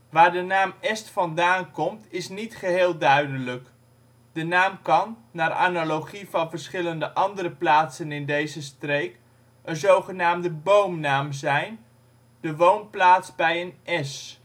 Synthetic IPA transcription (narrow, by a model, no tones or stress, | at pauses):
ʋaːɹdənaːmɛstfɑndaːnkɔmtɪsnitχəɦɪːlˠdœɥdələk | d̥ənaːmkɑnːaːɾʔa̰ːnalowχivɑnvəɹsχɪləndəʔɑndərəplaːtsənɪndejzəstrejk | ʔənzowχənaːmdəbowmnaːmzɛjn | dəʋownplaːtsbɛjənʔɛs